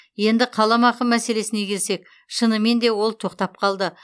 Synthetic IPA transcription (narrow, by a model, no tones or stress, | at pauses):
je̞nd̪ɪqʰɑlˠɑmɑqəmmæse̞le̞sɪne̞kʲʰe̞lse̞k | ʃənəme̞nd̪e̞wo̞lˠt̪ʰo̞qt̪ɑp̚qʰɑlˠd̪ə